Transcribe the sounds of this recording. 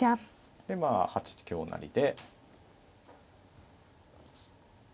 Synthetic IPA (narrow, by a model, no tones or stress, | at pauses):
a | d̪̥e̞maːhat͡ɕi̥t͡ɕi̥kʲo̞ːna̰ɾʲḭd̪e̞